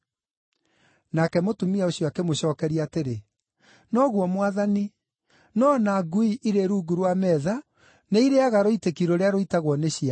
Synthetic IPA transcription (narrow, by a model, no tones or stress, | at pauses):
nakɛmotumiaoɕjɔakemoɕɔːkɛɾiaːteɾe | nɔɣwɔmwaðani | nɔnaɡuiʔiɾeɾuɡuɾwamɛða | neiɾeaɣaɾoitekiɾoɾeaɾoitaɣwɔneɕia